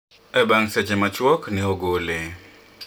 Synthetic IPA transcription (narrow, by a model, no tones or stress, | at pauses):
ɛbaŋset͡ʃemat͡ʃwɔknɛoɡole